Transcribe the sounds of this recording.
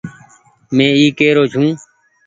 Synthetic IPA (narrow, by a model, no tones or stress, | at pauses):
mẽːiːkeːɾoːt͡ʃʰũː